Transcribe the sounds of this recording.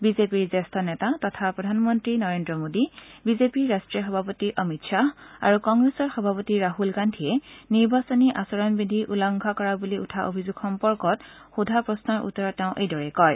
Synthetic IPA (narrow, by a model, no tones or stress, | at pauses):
bizepiɹzɛstʰɔnɛtatɔtʰapɹɔdʱanmɔntɹinɔɹendɹɔmodibizepiɹɹastɹijɔxɔbʱapɔtiʔɔmitʃaa̰ɹukɔŋɡɹesɔɹxɔbʱapɔtiɹaɦulɡantʰiɛniɹbasɔniʔasɔɹɔnbidʱiʔulaŋɡʱakɔɹabuliṵtʰaʔo̰bʱizuɡxɔmpɔɹkɔtxudʱapɹɔsnɔɹʔṵtːɔɹɔtːeʊ̃ʔejdɔɹɛkɔj